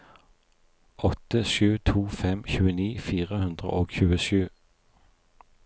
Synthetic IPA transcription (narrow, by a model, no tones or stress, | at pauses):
ʔɔt̪əʃʉːt̪ʰuːfɛmçʉːəniːfiːʁəhʉnd̪ʁə̰ʔoːɡçʉːəʃʉː